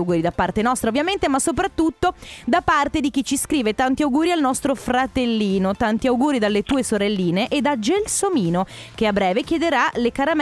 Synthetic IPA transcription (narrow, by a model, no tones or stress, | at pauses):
ɡuːɾid̪apːart̪enɔst̪ɾaovjament̪emasːop̬ɾat̪ːut̪ːod̪apːart̪ed̪ik̟it͡ʃːiskɾiːvet̪ant̪iawɡuːɾialnɔst̪ɾofɾat̪elːiːnot̪ant̪iawɡuːɾid̪alːet̪uːesoɾelːiːneʔed̪ad͡ʒelsomiːno | k̟eabɾɛːvekjed̪eɾalekaɾam